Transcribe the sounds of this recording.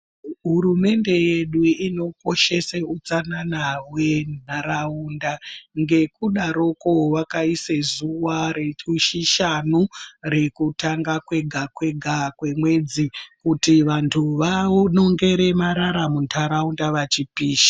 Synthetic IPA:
ɦuɾume̞nde̞je̞ɗuino̞ko̞ʃe̞seud͡zananawe̞n̤ʱaɾaundaŋɡe̞kuɗaɾo̞kowakaisezuwaɾeuʃiʃanure̞kutaŋɡakwe̞ɡʱakwe̞ɡʱakwe̞mwe̞d͡zikutiʋantʰuʋano̞ŋɡe̞ɾe̞maɾaɾamuntʰaɾaundaʋat͡ʃipiːʃḁ

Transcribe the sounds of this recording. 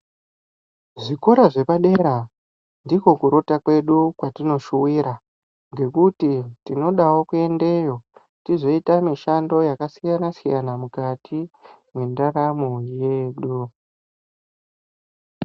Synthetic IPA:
ʐiko̞ɾaʐe̞paɗe̞ɾa | ndiko̞kuɾo̞takwe̞ɗukwatino̞ʃuwiɾa | ŋɡe̞kutitino̞ɗawo̞kue̞nde̞jo̞ | tizo̞itamiʃando̞jakasijanasijanamukatʰi | mwendaɾamoje̞ːɗu

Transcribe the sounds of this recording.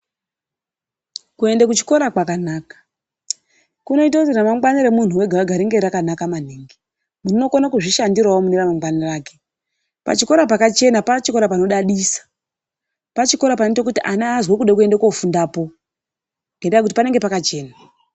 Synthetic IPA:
kue̞ndekut͡ʃi̥ko̞ɾakwakanaːkḁ | kuno̞itazeramaŋɡwaniɾe̞mun̤uweɡʱaʋaɡʱaɾiŋɡe̞ɾakanakaman̤eːŋɡe | munino̞konakuʐiʃandirwawomuniramaŋɡwaniraːke | pa̰t͡ʃiko̞ɾapakat͡ʃe̞napat͡ʃiko̞ɾapano̞ɗaɗisḁ | pat͡ʃiko̞ɾapanetok̬utiʔanaːzwekuɗek̬ue̞ndakofundapo̞ | ŋɡendaak̬ut̬i̥pane̞ŋɡe̞pakat͡ʃe̞ːna

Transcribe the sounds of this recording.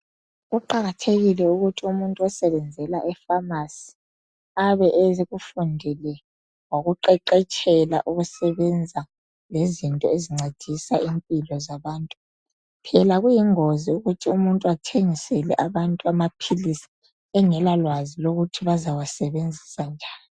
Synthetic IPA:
ɣuǃaɣatʰeɣilɛuɣutʰiumuntʼuasɛβɛnd͡zʱɛlaʔɛfamasi̥ | aβɛʔɛzeɣufundʱilɛ | woɣuǃɛǃɛt͡ʃʼɛla̰ʔuɣusɛβɛnd͡zʱa | lezintʼɔeziŋ͡ǀʱed̥ʱisaimpʼilɔzaβaːntʼu | pʰɛlaɣujiŋoziuɣutʰiumuntʼuatʰeŋisɛlɛ̰ʔaβantʼuamapʰilisi̥ | ɛŋɛlalwaziloɣutʰiβazawasɛβend͡zʱi̥sand͡ʒʱaːnii

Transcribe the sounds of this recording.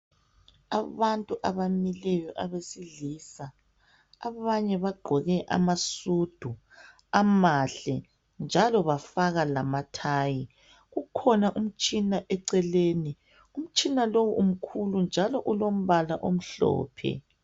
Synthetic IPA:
aβantʼuʔaβamilɛjɔʔaβesiɮiːsaː | βaɲɛβaɡ͡ǃʱɔɣɛʔa̰masud̥ʱu | amaɬɛ | nd͡ʒʱalɔβafaɣalamatʰaːji | ɣukʰɔnaʔum̩t͡ʃʼinaʔɛǀɛleːni | um̩t͡ʃʼinalowuum̩kʰulund͡ʒʱalɔʔulom̩βalaʔom̩ɬɔ̰ːpʰɛ̰

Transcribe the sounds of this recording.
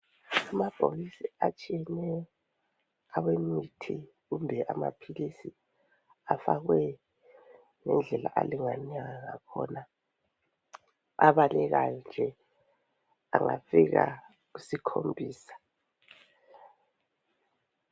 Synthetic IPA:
amab̥ʱolisiat͡ʃʼiɛnɛɔ | awemitʰi | ɣumbʱɛʔamapʰilisi | afaɣwɛ | ŋɛnd͡ɮʱɛla̰ʔeliŋanaɣaŋakʰɔ̰na | aβalɛɣajɔnd͡ʒʱɛ | a̰ŋafiɣa | ɣusikʰombʱiːsḁ

